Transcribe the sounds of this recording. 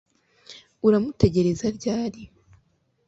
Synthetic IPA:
uɾamute̞ɟe̞ɾe̞zaɾɟaːɾi

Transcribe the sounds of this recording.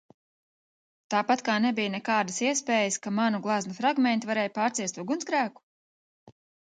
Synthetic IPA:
t̪aːpat̪kaːnɛbijnɛkaːd̪asiɛspɛːjəskamanuɡlˠaznufɾaɡmɛnt̪vaɾɛːjpaːɾt̪siɛt̪ːuɔɡunsɡɾæːku̥

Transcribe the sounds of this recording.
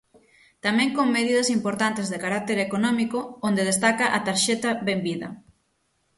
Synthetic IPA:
t̪amɛ̃ŋkoŋmeðiðɐsimpoɾt̪ant̪ezðekaɾak̚t̪eɾekonɔmikoond̪eð̞est̪akɐʔat̪aɾʃɛt̪ɐβembiðɐ̰

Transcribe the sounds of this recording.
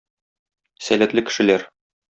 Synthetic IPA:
sælæt̪lɘkɘ̥̆ʃɘ̆læɾ

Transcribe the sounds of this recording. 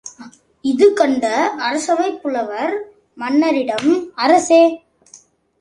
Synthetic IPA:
ɪðɯkɐɳɖɐːɾɐsɐʋɐɪpːɯɭɐʋɐɾ | mɐnːɐɾɪɽɐmɐɾɐseː

